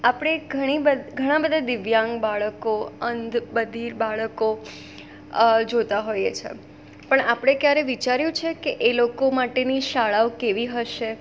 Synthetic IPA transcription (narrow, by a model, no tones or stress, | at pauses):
apɽ̃eɡʱəɽ̃ibəd̪ɡʱəɽ̃ãbəd̪ʱad̪ɪʋjãŋɡbaɭəkoənd̪bəd̪ʱiɾbaɭəko | d͡ʒot̪aɦojḛt͡ʃʰḛ | pəɳapɽ̃ekjaɾeʋit͡ʃaɾjũt͡ʃʰekeʔelokomaʈeniʃaɭaokeʋiɦəʃe